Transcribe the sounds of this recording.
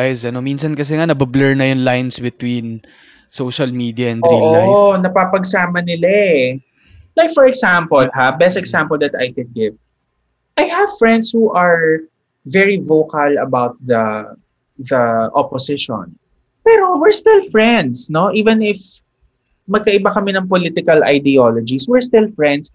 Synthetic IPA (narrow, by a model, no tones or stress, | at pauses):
jsɐnominsɐnkɐs̬ɛŋanɐbɐblɛɹnɐjʊnlajnsbɪt̪win | sowʃɐlmid̪iɐɛ̃ndʔoiʔonɐpapɐɡsaːmɐnɪlaɛ | lajkfɔɹɛɡsampɔlɦabɛst̪ɛɡsãmpɔld̪ɐt̪ɐ̰jkɛd̪̚ɡɪv | ʔajhɐv̥fɹɛ̃nd̪shuʔɐɹ | vɛɹivoːkɐlɐ̰bawt̪̚ðɐ | ðɐʔɔposɪʃɔ̰̃n | pɛːɾo̞wɪɹst̪ɪlfɹɛnd̪sno̞ʔiːvɛ̃nɪf | mɐɡ̚kɐʔɪbakɐmɛnɐŋpolit̪ɪkɐlɐ̰jd̪ɛolod͡ʒiswɛɹst̪ɪlfɹɛ̃nd̪s